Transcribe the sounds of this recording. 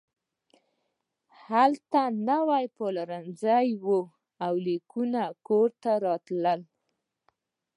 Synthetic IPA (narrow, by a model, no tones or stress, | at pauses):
halt̪anawajpolaɾanzajwo | awlikunakoɾt̪aɾɑt̪ləl